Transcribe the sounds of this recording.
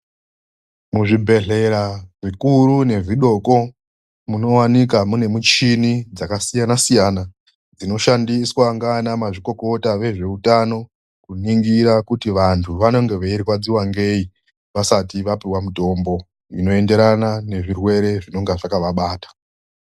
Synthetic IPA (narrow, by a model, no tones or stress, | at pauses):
muʐibʱe̞ɮe̞ɾaʐikuɾune̞ʐiɗo̞ko̞ | muno̞wanik̬amune̞mut͡ʃinid͡zakasijanasijana | d͡zino̞ʃandiswaŋɡanamaʐiko̞ko̞taʋe̞ʐe̞utano̞ | kuniŋɡiɾakutiʋantʰuʋano̞ŋɡe̞ʋeiɾikwad͡ziwaŋɡe̞i | ʋasatiʋapiwamuto̞mbo̞ | ino̞e̞nde̞ɾanane̞ʐirwe̞ɾe̞ʐino̞ŋɡaʐakaʋaɓaːtḁ